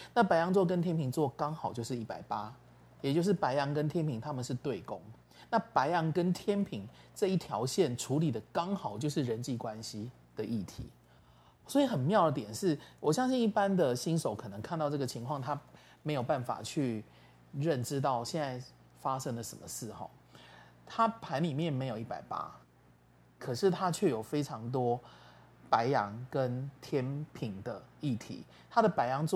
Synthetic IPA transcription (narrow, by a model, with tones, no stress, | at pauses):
na˥˩pa˧˥ɪjɑ˧˥ŋt͡swɔ˥˩kə˦nt̪ʰjɛ˥npʰi˧˥ŋt͡swɔ˥˩kɑ˥ŋxɑ˨˩ʊt͡ɕjo˥˧ʂɻ̩˥˩i˥˩pa˨˩ɪpa˦˥ | jɛ˨˩t͡ɕjo˥˧ʊʂ̬ɻ̩˥˩pa˧˥ɪjɑ˧˥ŋkə˦nt̪ʰjɛ˥npʰi˧˥ŋt̪ʰa˥mə˨nʂɻ̩˥˧t̪we˥˨˩ɪkʊ˦˥ŋ | na˥˩pa˧˥ɪjɑ˧˥ŋkə˦nt̪ʰjɛ˥npʰi˧˥ŋʈ͡ʂɤ˥˧i˥˩t̪ʰjɑ˧˥ʊɕjɛ˥˩nʈ͡ʂʰu˧˥li˨˩d̪ə˩kɑ˦˥ŋxɑ˨˩ʊt͡ɕjo˥˧ʊʂ̬̩˥˩ɻə˧˦nt͡ɕi˥˩kwa˦nɕi˦ | d̪̥ə˨ʔi˥˩t̪ʰḭ˧˥˦ | swɔ˧˥i˨˦xə˨˩nmjɑ˥˩ʊd̪ə˩t̪jɛ˨˩nʂɻ̩˥˩wɔ˨˩ɕjɑ˥ŋɕi˥˧ŋi˥˩pa˦˥nd̪ə˨ɕi˦˥nʂo˨˩ʊkʰɤ˨˩nə˧˦ŋkʰnt̪ɑ˥˧ʊʈ͡ʂɤ˥˩ɡə˩t͡ɕʰi˧˥ŋkʰwɑ˥˨ŋt̪ʰa˦ | me˧˥jo˨˩ʊpa˥˩nfa̰˨˩t͡ɕʰy˥˧ | ɻə˥˨˩nʈ͡ʂɻ̩˦˥t̪̬ɑ˥˩ʊɕjɛ˥˧nt͡sa˥˩ɪ | fa˦ʂə˥ŋlə˨ʂə˨˩mə˦ʂɹ̩˥˩xɑ̰˨˩ | t̪ʰa˦pʰa˧˥nli˨˩mjɛ˥˨nme˧˥ɪjo˨˩ʊi˥˩pa˨˩ɪpa̰˥ | kʰɤ˨˩ʂɻ̩˥˩t̪ʰa˦˥t͡ɕʰɥɛ˥˩jo˨˩ʊfe˥ɪʈ͡ʂʰɑ˧˥ŋt̪̬wɔ˥ | pa˧˦˥ɪjɑ˧˦ŋkə˦˥nt̪ʰjɛ˥npʰi˨˩ŋd̪ə˩i˥˩t̪ʰḭ˨˧˦ | t̪ʰa˦˥d̪ə˨pa˧˥ɪjɑ˧˦ŋt͡s